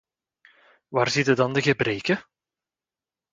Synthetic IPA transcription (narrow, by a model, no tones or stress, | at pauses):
ʋaːrzitədɑndəɣəbɾeːkə